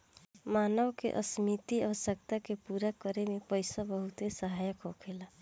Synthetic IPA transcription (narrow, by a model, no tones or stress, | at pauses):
maːnəʋkḛʔə̰smit̪iə̰ʋəsjək̚t̪akepuɾakəɾemepəɪsabəɦut̪ɦesəɦajəkɦokʰela